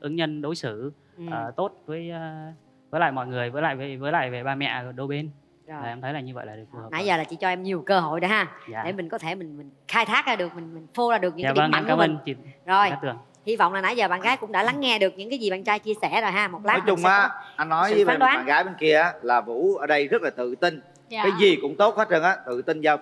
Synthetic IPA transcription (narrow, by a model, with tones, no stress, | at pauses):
ʔɨ˨˦ŋɲə˧nɗo˨˦jsɨ˧˩˨ | ʔəː˩˨˩t̪o˦˥t̚vəː˨˦jː | vəː˨˦la̰ː˧˨jmɔ̰˧˨jŋɨ˨˩əjvəː˨˦jla̰ː˧˨ve˨˩vəː˨˦jla̰ː˧˨jve˨˩ɓaː˧mɛ̰˧˨ɗo˧ɓe˧n˨˩ | aː˨˩ʔɛ˧mt̪ʰə˨˦jlaː˨˩ɲɨ˧və̰˧˨jlaː˨˩ɗɨ˨˩k̚fːna̰˧˦jzəː˨˩laː˨˩t͡ɕḭ˧˥t͡ɕɔ˧ʔɛ˧mɲi˨˩əwkəː˧ɦo˧˨jɗo˨˦ɦaː˧˩˨ɗe˧˩mï˨˩ŋ̟kɔ˨˦t̪ʰe˧˩mï˨˩ŋ̟mï˨˩ŋxaː˧jt̪ʰaː˦˥k̚ʔaː˧ɗɨ˨˩ək̚mï˨˩ŋ̟mï˨˩ŋ̟fo˧zaː˨˩ɗɨ˨˩k̚ɲ̰ɨ̰˧˥˨a˨˧˩ə˧ŋa˧˦kːa˧˨˦miə˧˨˧nt͡ɕḭ˧˨zo˨˩jt̪ɨ˨˩əŋ | hi˧va̰˧˨wŋ͡mlaː˨˩na̰˧˥˦jzəː˨˩ɓa̰ː˧˨nɣaː˨˦jkʊ̰˧˥ŋ͡mɗa̰˧˥la˨˦ŋːɛ˧ɗɨ˨˩ək̚ɲɨ̰˧˥ŋkaː˨˦jzi˨˩ɓaː˧˨nt͡ɕaː˧jt͡ɕi˧əsɛ˧˩zo˨˩jɦaː˧mo˨˩t̚laː˦˨˦t͡ɕʊ˨ŋ͡mʔaː˨˧˦ʔa˧nːɔ˨˦ji˨˦aː˨˧ɗwaː˨˦a̰ː˧˨ɣaː˨˦jɓe˧nki˧əaː˨˦laː˨˩vṵ˧˥ʔəː˧ɗə˧jzə˦˥t̚laː˨˩t̪ɨ̰˧˨t̪i˧n | aː˨˦jzi˨˩kʊ̰˧˥ŋ͡mt̪o˦˥t̚xa˦˥t̚zə˨˩nʔaː˨˦t̪ɨ̰˧˨t̪i˧nzaː˧w